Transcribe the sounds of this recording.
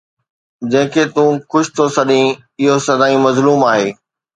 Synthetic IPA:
d͡ʑɐ̃ɦɪ̃kʰeːt̪ũːxʊʃɪ̥t̪ʰosɐɗĩ | ɪɦosɐd̪aːĩmɐzluːmaːɦeː

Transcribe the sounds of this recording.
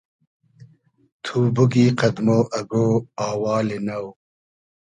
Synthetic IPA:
t̪ʰuːbuɡiːqɐd̪moːʔɐɡoːaːwɑːlenɐw

